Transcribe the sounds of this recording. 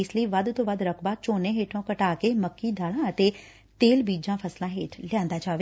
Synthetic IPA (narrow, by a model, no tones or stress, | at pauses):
ɪsləiːʋəd̪t̪õːʋəd̪ɾəkʰbaːt͡ʃoːnẽɦeːʈʰõːkəʈaːkeməkːiːd̪aːlãːət̪eː | t̪eːlbiːd͡ʒãːpʰəslãːɦeːʈljãːnd̪aːt͡ʃaːʋe